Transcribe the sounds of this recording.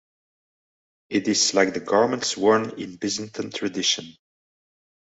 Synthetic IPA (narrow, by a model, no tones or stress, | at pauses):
ɪɾɪzlaɪk̚ðəɡɑɹmə̃ntswɔɹnɪ̃nbɪz̃n̩tʰə̃ntʰɹ̥ɨdɪʃə̃n